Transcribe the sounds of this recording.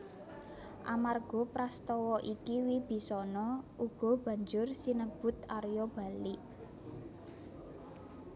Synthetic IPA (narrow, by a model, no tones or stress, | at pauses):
ʔamarɡ̥ɔ̤pɾast̪ɔwɔʔikiwib̥i̤sɔnɔʔuɡ̥ɔ̤b̥ä̤ɲd͡ʒʊrsinəb̥ʊ̤t̪aɾjɔb̥a̤liʔ